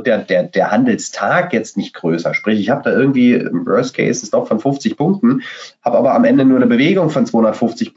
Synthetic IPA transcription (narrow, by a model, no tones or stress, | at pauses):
t̚d̥eːɐdeːɐdeːɐhandl̩stʰaːkjɛt͡stnɪçt̚ɡ̥ʁøːsɐʃpʁ̥ɪçɪçhaːbəd̥aːʔɪɐɡŋ̩tv̥iːɪ̰mvɜ̰ɐstkʰḛɪsɛsd̥ɔχfɔnfʊft͡sɪçpʰʊŋk̚tn̩haːbəʔaːbɐamʔɛndənuːɐnəbəveːɡʊŋfɔnt͡sv̥aːhʊndɐtfʊft͡sɪç